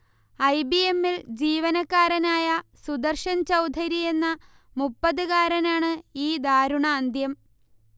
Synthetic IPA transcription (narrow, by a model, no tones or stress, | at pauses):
ɐjbiemːild͡ʑiːʋɐnɐkːaːɾɐnaːjɐsud̪ɐrʂɐnt͡ɕɐwd̪ʱɐɾije̞nːɐ | mupːɐðɨɣaːɾɐnaːɳɨiːd̪aːɾuɳɐːnd̪jɐm